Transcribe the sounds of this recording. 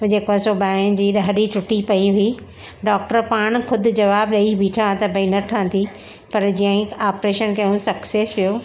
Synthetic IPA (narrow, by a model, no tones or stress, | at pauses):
d͡ʑeːkãsoːbaːɪnd͡ʑiːɗɐɦɗit͡ɕʊʈipɐiɦʊi | ɖɔːk̚ʈəɾpaːɽ̃xʰʊd̪ʱʊ̆d͡ʑɐʋaːbɗɐibʱiʈʰaãt̪ɐbʱɐinɐʈʰãnd̪i | pɐɾd͡ʑijãɦɪ̃aːpɾeːʃənkɐɦũsɐkseːsʋijoː